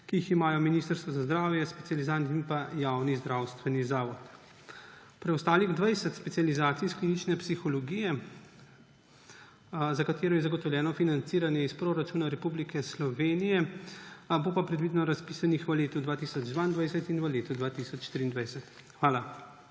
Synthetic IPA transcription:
kiiximaːjɔminiːst̪əɾst̪ʋɔzazd̪ɾaːwjɛspɛ̥t̪ʲializant̪inpajawnizd̪ɾawst̪ʋɛnizaːʋɔt̪ | pɾɛɔst̪aːliɣd̪ʋajsɛt̪spɛt̪sijalizaːt̪siːsklinit͡ʃnɛpsixɔlɔɡijɛ | zakat̪eːɾɔjɛzaɡɔt̪ɔwlʲjɛːnɔfinant̪siːɾanjɛispɾoɾat͡ʃuːnaɾɛpublikɛslɔʋeːnijɛ | bopapɾɛd̪ʋiːd̪nɔɾaspiːsanixʋəleːt̪ud̪ʋaːt̪iːsɔd͡ʒd̪ʋaind̪ʋajsɛt̪inʋəleːt̪ud̪ʋaːt̪isɔt͡ʃʃt̪iɾiːnd̪ʋajsɛt̪ | xʋaːla

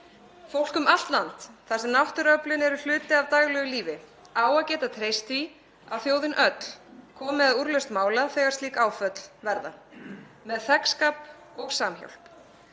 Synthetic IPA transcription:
fowl̥kʏmal̥t̪lant̪θasɛmnawht̪ʏɾœplɪnɛɾʏl̥ʏːt̪ɪavt̪aɣlɛːɣʏliːvɪ | aːwaðcɛːt̪at̪ʰɾeːjst̪i | avθjoːwðɪnʔœt̪l̥kʰɔːmɪðaðuɾlœɥst̪maːwlaθɛːɣḁɾst̪iːkaːwfœt̪l̥vɛɾða̰ | mɛðθɛkskaːp | ɔɣsaːmço̰wl̥p

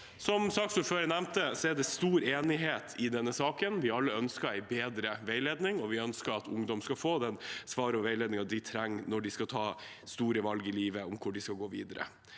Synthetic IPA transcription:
sɔmsɑːksɔføːɾənæmt̪əsɔɛɖɛst̪uːɾeːnɪɦeːt̪ʰɪd̪ɛnːəsɑːkənʋɪɑlːəœnskəɾæɪbeːd̪ɾəʋæɪleːd̪nɪŋɔʋɪœnskəɾɑt̪ʰʊŋd̪ɔmskɑfoːd̪ɛnsʋɑːɾəɔʋæɪleːd̪nɪŋɑd̪ɪt̪ʰɾæŋːnɔɖɪskɑt̪ʰɑː | st̪uːɾəʋɑlɡɪliːʋəɔmkʰʊɖɪskɑɡoːʋiːd̪əɾə̰

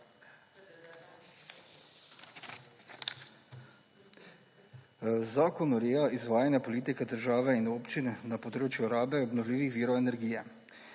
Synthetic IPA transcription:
zaːkɔnɔɾeːaizʋaːjanjapɔliːt̪ikɛd̪əɾʒaːʋɛinoːpt͡ʃinːapɔd̪ɾoːt͡ʃjuɾaːbɛɔbnɔwliːʋixʋiːɾɔɛnɛɾɡiːjɛ

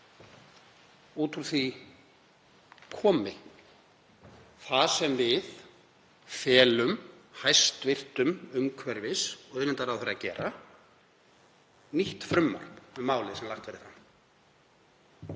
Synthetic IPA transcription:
uːt̪ʰuɾθi | kʰɔːmɪ | θaðsɛmvɪð | fɛːlʏm | hajst̪vɪr̥t̪ʏmʏmkʰvɛɾvɪsɔɣœɥnɪnt̪aɾawθɛɾːacɛ̰ːɾa | niht̪fɾʏmːa̰ɾpʏmaːwlɪsɛmlaht̪vɛːɾɪθanː

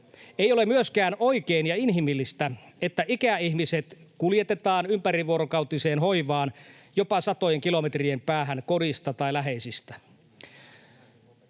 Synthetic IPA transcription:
ejo̞lemyøskæːnoikeːnjɑinɦimilːist̪æet̪ːæʔikæihmiset̪kuljet̪et̪ɑːnympæɾiʋuoɾokɑuwt̪iseːnɦo̞iʋɑːn | jopɑsɑt̪ojeŋkilomet̪riempæːɦænkoɾist̪ɑt̪ɑilæɦeisist̪æ̥

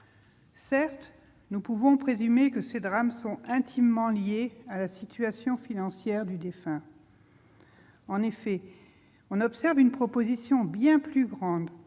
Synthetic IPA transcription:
sɛʁt̪ | nupuvɔ̃pχezymekəsed̪ʁamsɔ̃ɛ̃t̪ʰimːɑ̃ljealasit̪ɥasjɔ̃finɑ̃sjɛʁd̪yd̪efɛ̃ | ɑ̃nefɛ | ɔ̃nɔpsɛʁvynpχɔpozisjɔ̃bjɛ̃plyɡʁɑ̃d̪

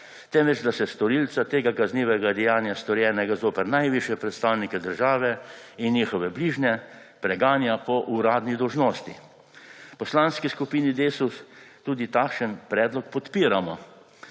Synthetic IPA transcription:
t̪ɛmʋɛt͡ʃd̪asɛst̪ɔɾiːlt̪sat̪eːɡakazniːʋɛɡad̪ɛjaːnjast̪ɔɾjɛːnɛɡazoːpɛɾnajʋiʃjɛpɾɛt̪st̪aːwnikɛd̪əɾʒaːʋɛ | injiːxɔʋɛbliːʒnɛ | pɾɛɡaːnjapɔʔuɾaːd̪nid̪ɔwʒnoːst̪i | pɔslanskiskupiːnid̪eːsust̪uːd̪it̪akʃənpɾɛːd̪lɔkpɔt̪piːɾamɔ

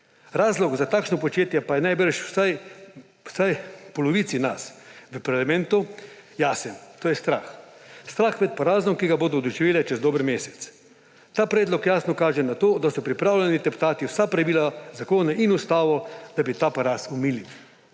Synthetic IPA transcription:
ɾaːzlɔɡzat̪aːkʃnɔpɔt͡ʃeːt̪jɛpajɛnajbəɾʃwsaj | wsajpɔlɔʋiːt̪sinasʋəpaɾlamɛ̃nt̪ujaːsɛnt̪oːjɛst̪ɾaːxst̪ɾaːxmɛt̪̚paɾaːznɔmkiɡaboːd̪ɔd̪ɔʒiʋeːlɛt͡ʃɛzd̪oːbəɾmeːsɛ̥t̪s | t̪aːpɾeːd̪lɔkjaːsnɔkaːʒɛnat̪oːd̪asɔpɾipɾaːwlʲɛnit̪ɛpt̪aːt̪iwsapɾaʋiːlazakoːnaʔinust̪aːʋɔd̪̥abit̪aːpaɾaːsumiːli

